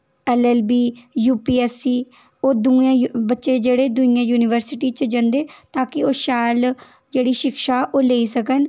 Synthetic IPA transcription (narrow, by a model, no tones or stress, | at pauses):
ɛːlɛːlbiːjuːpiːɛːsiː | oːd̪uãːbətːʃeːd͡ʒeːɽeːd̪ʊɪjãːjuːnɪʋəɾsɪʈiːt͡ʃd͡ʒə̃nd̪eːt̪aːkɪoːʃɛːl | d͡ʒeːɽiːʃɪkʃaːʔoːleːiːsəkən